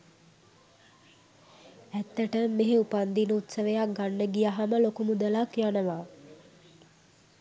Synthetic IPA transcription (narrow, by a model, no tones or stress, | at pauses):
æt̪ːəʈəmːeɦeupand̪inəut̪səʋəjak̚ɡanːəɡijaɦaməlokumud̪əlakjanəʋaː